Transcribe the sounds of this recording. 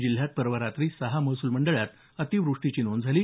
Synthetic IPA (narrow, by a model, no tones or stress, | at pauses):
d͡ʑil̤jat̪̚pəɾʋəɾat̪ɾiːsəɦaməɦsuːlməɳɖəɭjat̪ | ət̪iʋɾuʂʈit͡ɕiːnond͡zʱaliː